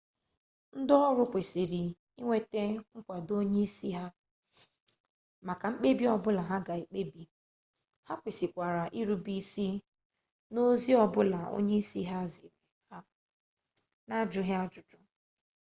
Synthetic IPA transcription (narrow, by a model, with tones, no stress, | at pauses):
n̩˦dɔ˦ɔ˦ɾʊ˦kʷe˨si˨ɾi˨ | i˦ŋʷe˦te˦ŋ̩˦kʷa˨do˦ɲe˦i˦si˦ɦa˦ | ma˨ka˨ŋ͡m̩˦k͡pe˦bi˦ɔ˦bʊ˦la˨ɦa˦ɡa˨i˨k͡pe˦bi˨ | ha˦kʷe˨si˨kʷa˨ɾa˨ʔi˦ɾu˦bi˦si˦ | no˦zi˦ɔ˨bʊ˦la˨o̰˦ɲe˦i˦si˦ɦa˦zi˨ɾe˨ha˦ | na˦d͡ʒʊ˦ɦja˦d͡ʒʊ˨d͡ʒʊ˦